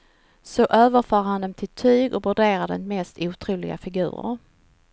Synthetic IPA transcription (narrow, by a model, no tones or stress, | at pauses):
sɔʔøːvəɾfœːɾhand̪ɛmt̪ʰɪlt̪ʰyːɡɔvɵɖeːɾad̪ɛ̰nmɛst̪uːt̪ʰɾuːlɪɡa̰fɪɡʉ̟ːɾə̰ɾ